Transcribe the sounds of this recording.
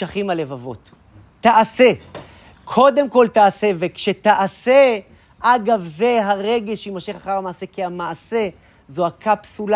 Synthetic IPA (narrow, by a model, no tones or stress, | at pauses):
aχimale̞vavo̞t̪ː | aʔase̞ | kʰo̞d̪e̞mko̞ltaase̞vekʃet̪aʔase | ʔaɡavze̞ɦaʁe̞ɡeʃimaʃiχaχaʁamaːse̞keamaʔase̞ | zoakʰapsul